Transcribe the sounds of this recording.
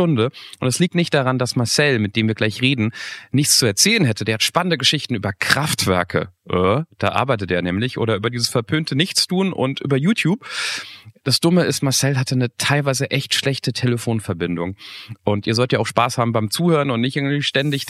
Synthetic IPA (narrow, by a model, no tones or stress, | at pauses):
ʊndəʔʊntɛsliːk̚tnɪçt̚d̥aʁandasmaɐsɛlmɪt̚d̥eːmviɐɡlaɪçʁeːdn̩nɪçt͡st͡suɛɐt͡sɛːlənɦɛtədeːɐhatʃpanəndəɡəʃɪçtn̩yːbɐkʁ̥aftv̥ɛɐkʰə̰ʔəːd̥a̰ːʔa̰ɐbaɪtəteːɐnɛːmlɪçʔo̰ːɾɐʔyːbɐdiːzəsfɛɐpʰøːntʰənɪçt͡stʰuːnʔʊ̰ntʔyːbɐjuːtʰjuːp̚ | d̥asd̥ʊməɪstmaɐsɛlɦatənətʰaɪlvaɪzəʔɛçtʃlɛçtətʰeləfoːnfɛɐbɪndʊŋʔʊntʔiːɐzɔltjaaʊxʃpaːshaːbm̩baɪmt͡suːhøːʁənʊntnɪçtʔɪɐɡŋ̩tv̥iːʃtɛndɪç